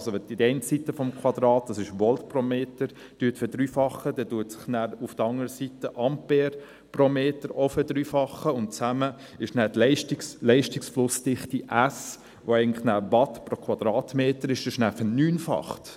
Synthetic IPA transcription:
lsoɛdidɛɪntsitːəfɔmkʰwɑd̪ɾɑːt̚d̥ɑsɪʃʋɔltpromeːtəɾ | d̥yːətfəd̥ɾyːfɑχəd̥ɛduətsɪ̥χnæːɾʊfd̥əɾɑŋəɾəsitəʔɑmpeːɾ | promeːtəɾofədɾyːfɑχːəʊnt̚t͡sæmə | ɪʃnæːdlɛɪʃtikslɛɪʃtɪksflʊsd̥ɪχtiʔæs | ʋoɛɪɡən̩lɪχnæːbɑtpɾokʰwɑd̥̪ɾɑːtmeːtəɾɪʃɪʃnæːɾfənyːnfɑ̰χt

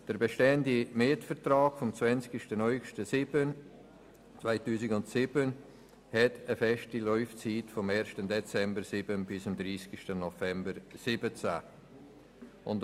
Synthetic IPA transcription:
d̥əɾbeʃteːəndimɪtfərtraːɡ̥fɔmt͡svɛnt͡skɪʃtənɔʏɡʃtəsɪbən | t͡svaɪtuːsɪɡʊntsɪbən | hɛtʰəfɛʃtilɔʏft͡siːtfɔmɛːɾʃtəndɛt͡sɛmbəɾsɪbənbɪsɪmd̪ɾiːskʃtənɔfɛmbəɾsɪbət͡sa | ʔʊnt

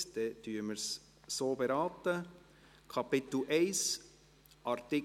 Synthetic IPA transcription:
d̪̥ɛd̥̪yːɾməɾs | soːbɛɾɑːt̪ə | kʰɑpɪt̪l̩ʔɛɪs | ʔɑɾt̪ɪ

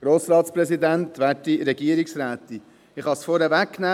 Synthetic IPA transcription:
ɾoːsɾɑːt̪sprɛsid̪ænt̪ʋæːtiɾɛɡiəɾiksɾæːt̪i | ɪχhɑsfɔɾɛvækːnæː

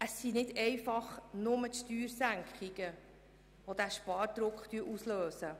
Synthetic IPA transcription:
əsːinɪdɛɪfɑχnʊmətʃtyːɾsæŋkχiɡə | ʋodæʃpɑːɾd̥ɾʊkχt̪yəʔusløːsə

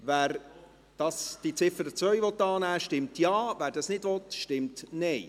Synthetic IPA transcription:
væːɾ | d̥ɑsd̥it͡sɪfəɾət͡sʋœʏjvʋɔt̪ːɑːnæːʃtɪmtjɑːʋæːɾdɑsnɪdvɔt̪ʃtɪmtnɛj

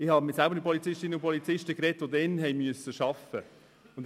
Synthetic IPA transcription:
ɪhɑːmɪsælbəɾnipɔlit͡sɪʃtinəʊpʰɔlit͡sɪʃtəkɾɛtʋodɛnɦɛjmyəsəʃɑfə | ʊn

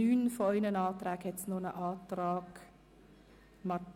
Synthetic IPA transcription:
yːnfoœʏnənɑːt̪ɾɛːɡhɛtsnonəʔɑːtɾɑːɡ | mɑ

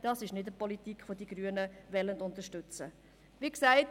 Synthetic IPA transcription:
d̥ɑsɪʃnɪdəpɔlitikfodiɡ̥ɾyənəvɛləntʊntəʃtʏt͡sə | ʋiːksæɪt

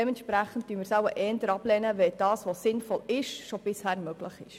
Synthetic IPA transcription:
ɛmɛntʃpɾæχən̩t̚tyənmɪɾsæwəʔɛːndəɾɑb̥lɛːnəʋɛld̥ɑːsʋosɪnfɔlɪʃʃob̥ɪshæːrmøɡ̥ləχɪ̰ʃ

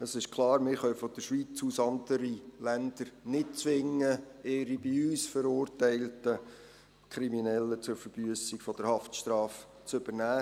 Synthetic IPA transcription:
əsɪʃkʰlˠɑːɾmɪːɾχœʊfɔd̥əʃʋit͡susɑnd̪əɾilænd̪̥əɾnɪt̚t͡sʋɪŋːəeːɾibiyːsfəɾʊːrtæɪltə | kʰɾiminɛlːət͡sʊɾfəɾb̥yəsiɡfɔd̥əɾhɑftʃtɾɑːf | t͡sɵbəɾnæː

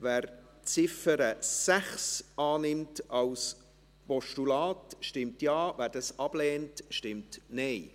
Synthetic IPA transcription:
væːɾ | t͡sɪfəɾəsæχsʔɑːnɪmtɑls | pɔʃtulɑːtʃtɪmtjɑːvæːɾd̥ɑsɑb̥lɛːntʃtɪmtnɛɪ

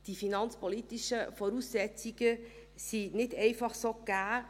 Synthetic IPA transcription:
d̥ifinɑnt͡spɔlit̪iʃəfɔɾuːsːɛt͡siɡ̥ə | sinɪdɛɪfɑχsoːɡ̥æː

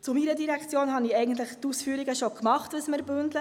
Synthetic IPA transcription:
t͡sʊmiɾədiɾækt͡sjoːnhɑniɛjɡən̩tlɪχt̪usfyːɾiɡəʃokmɑχtʋəsmɪɾbʏndlə

